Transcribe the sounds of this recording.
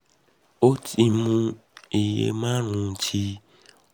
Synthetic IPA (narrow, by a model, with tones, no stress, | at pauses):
o˦tʼi˨mu˦i˨jḛ˦ma˦ɾũ˨t͡ʃʰi˦